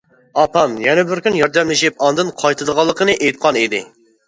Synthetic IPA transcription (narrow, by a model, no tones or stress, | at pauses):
ɑpɑmjɛnɛbɪɾkʲynjɑɾd̪ɛmlɪʃipɑnd̪ɨnqʰɑjt̪ʰɨd̪əʁɑlˠːəqʰənɨʔejt̪̚qʰɑnid̪ɪ